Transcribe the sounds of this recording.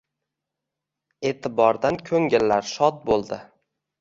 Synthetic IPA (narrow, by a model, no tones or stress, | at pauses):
e̞t̪ʰɪbɒɾd̪ankʰɵŋɪlːaɾʃɒt̪̚bolˠd̪ɪ